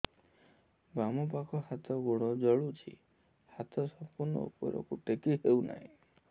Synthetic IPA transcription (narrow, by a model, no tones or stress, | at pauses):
bamɔpakʰɔhat̪ʰɔɡuɽ̃ɔd͡ʒɔɭut͡ʃʰḭ | hat̪ʰɔsɔmpuɾnɔ̰ṵpɔ̰ɾɔ̰kuʈekiɦewna̰ɦḭ̃